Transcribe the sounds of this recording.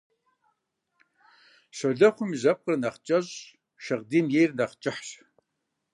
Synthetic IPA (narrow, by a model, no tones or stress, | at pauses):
ɕʷoɮɐχʷʊmiʑɐp̚qʼərnɐχt͡ʃʼɐɕ | ʃɐʁdiːmjeːjrnɐqt͡ʃʼɪħɕ